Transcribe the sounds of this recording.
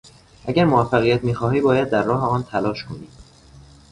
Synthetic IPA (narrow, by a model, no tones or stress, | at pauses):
ʔæɟæɾmovæfːæɣijæt̪ʰmiːxɒːɦiːbɒːjæd̪̚ːæɾːɒːɦeɒːnt̪ʰælɒːʃkʰo̞niːd̪